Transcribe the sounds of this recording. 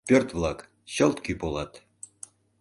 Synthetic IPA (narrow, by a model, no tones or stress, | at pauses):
pørt̪vlɑk | ɕəlt̪kypolɑt̪